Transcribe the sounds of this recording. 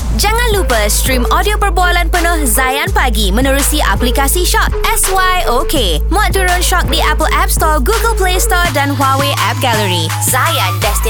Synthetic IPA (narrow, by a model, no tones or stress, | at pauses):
d͡ʒaŋãnlupəst̪ɾimɔdiopərbualanpənə̃hzajanpaɡimə̃nə̃ɾusiʔa̰plikasiʃɔt̪̚ɛswajoke | mũat̪uɾʊnʃɔk̚diʔapəlʔɛp̚st̪ɔɡuɡəlplest̪ɔdanɦwaweʔɛp̚ɡaləɾi | zajandɛst̪i